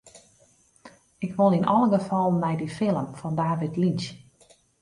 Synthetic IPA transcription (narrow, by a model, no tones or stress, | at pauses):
ɪkʋolˠinɔlˠəɡəfɔlˠmɛjdifɪlˠəmfɔndaːʋitlins